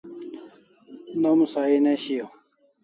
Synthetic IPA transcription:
nomsaːineɕijo

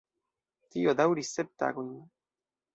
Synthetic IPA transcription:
t̪iod̪awɾisep̚t̪a̰ɡun

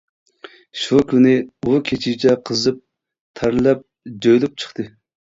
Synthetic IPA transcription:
ʃukʲynɪukʲʰet͡ʃʰit͡ʃʰɛqʰəzɨp̚ | t̪ʰɑɾlˠɛp̚ | d͡ʒøjlɪp̚t͡ʃʰə̥χt̪ɨ

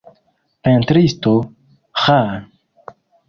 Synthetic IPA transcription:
pẽnt̪ɾist̪o | xa

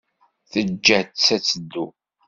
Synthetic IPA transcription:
θəd͡ʒːætt͡sːæt͡sːəd̪ːu

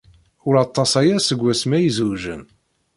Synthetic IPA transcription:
ʊɾɑt̪ˤːɑsæjæsəɡʷːæsmæjəzuʒən

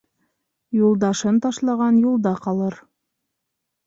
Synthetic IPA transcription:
julˠd̪ɑʃɤnt̪ɑʃlˠɑʁɑnjulˠd̪ɑqɑlˠɤɾ

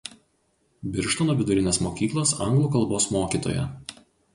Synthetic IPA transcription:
bʲɪɾʃt̪oːnoːʋʲɪd̪ʊɾʲɪnʲeːsmoːkʲiːklˠoːsɐ̰ŋɡlˠuːkɐlˠboːsmoːkʲiːˑt̪o̰ːjɛ̰

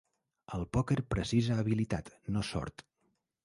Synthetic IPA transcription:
əlˠpɔkeɾpɾəsizəːβilit̪at̪nosɔ̰ɾt̪

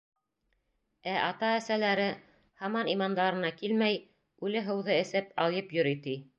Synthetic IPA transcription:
æʔɑt̪ɑæsælæɾɘ | hɑmɑnimɑnd̪ɑɾɤ̆nɑkilmæj | ʉlɘɦɤ̆wðɤɘ̆sɘpɑlˠjɤpjŏɾit̪i

